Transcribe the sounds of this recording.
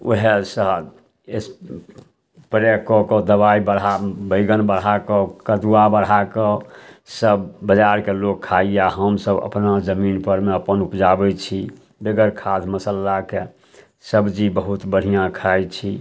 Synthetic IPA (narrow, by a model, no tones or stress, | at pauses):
o̰ɦesəɦ | es | pɾekɔkɔd̪əbaibəɽɦabəɪɡənbəɽakɔkəd̪uwabəɽɦakɔsəbːəd͡ʒaɾkelokʰːaijaɦəmsəbə̰pnad͡ʒəminpəɾmeəpənupd͡ʒabɛt͡ʃʰi | beɡəɾkʰad̪ʰməsəlːake | səbd͡ʒibəɦut̪bəɽ̤ijãkʰajt͡ʃʰi